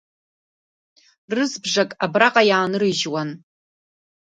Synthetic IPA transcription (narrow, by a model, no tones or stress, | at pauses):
rɨzbʐakʼabraqʼajaːnɨrɨʒwan